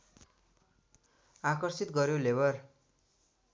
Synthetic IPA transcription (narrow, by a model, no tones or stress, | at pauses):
akʌrsit̪ɡʌɾjolebʌr